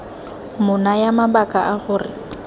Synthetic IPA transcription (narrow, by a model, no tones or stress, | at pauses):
mʊnajamabakʼaʔaɣʊːrɪ